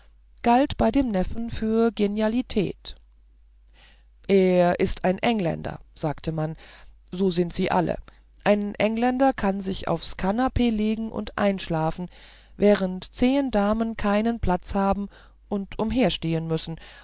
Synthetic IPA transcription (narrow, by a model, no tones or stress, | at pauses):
ɡ̥altb̥aɪdeːmnɛfn̩fyːɐɡenjalitʰɛ̰ːt | ʔeːɐʔɪstaɪnʔɛŋlɛ̰ndɐ̰z̥aːktʰəmanzoːzɪntz̥iːʔa̰lə̰ | ʔaɪnʔɛŋlɛndɐkʰanzɪça̰ʊfskʰanapʰeːleːɡŋ̩ʔʊ̰ntʔa̰ɪnʃlaːfn̩ | vɛːʁ̞əntt͡seːndaːmənkʰaɪnənpʰl̥at͡shaːbm̩ | ʔʊntʰʔʊmɦeːɐʃteːənmʏsn̩